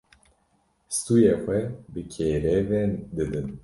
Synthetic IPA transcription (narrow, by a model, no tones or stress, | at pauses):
st̪ujexʷɛbɨkʰeːɾɛvend̪ɨd̪ɨn